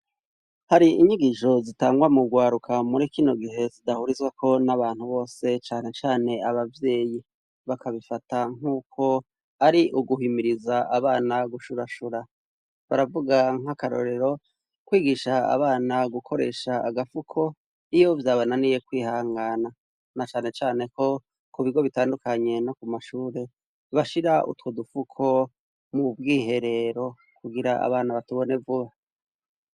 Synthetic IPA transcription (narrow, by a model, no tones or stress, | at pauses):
haɾiiɲiɡiʃo̞zitaːŋɡwamuɡwaːɾukʰamuɾikino̞ɡiɦe̞zidahuɾizɡwakʰo̞naβaːn̥huβo̞ːse̞t͡ʃaːne̞t͡ʃaːne̞aβavje̞ːji | βakʰaβifataŋ̥uːkʰo̞ | aɾiʔuɡuhimiɾizaaβaːnaɡuʃuɾaʃuɾa | βaɾavuɡaŋ̥akaɾo̞̰ɾe̞ɾo̞ | kwiːɡiʃaa̰βaːnaɡukʰo̞ɾe̞ʃaːɡafukʰo̞ | ijo̞vjaːβonanije̞kwiːhaːŋɡaːna | nat͡ʃaːnet͡ʃaːne̞ko̞ | kuβiɡo̞βitaːndukaɲe̞no̞kumaʃuːɾe̞ | βaʃiɾaṵtwodufukʰo̞ | mub̚ɡiːɦe̞ɾe̞ɾo̞ | kuɡiɾaa̰βaːnaβatuβo̞ne̞vuβa